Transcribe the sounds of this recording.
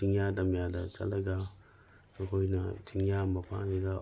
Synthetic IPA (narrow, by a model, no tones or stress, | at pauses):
iŋjadamjadat͡ʃa̰lɐɡa | akojna̰t͡ʃiŋjamapa̰d͡ʒiɡa